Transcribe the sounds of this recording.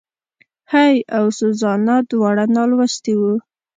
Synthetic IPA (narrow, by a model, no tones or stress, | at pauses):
hajawsʊzɑnad̪wɑɽanɑlwast̪iwu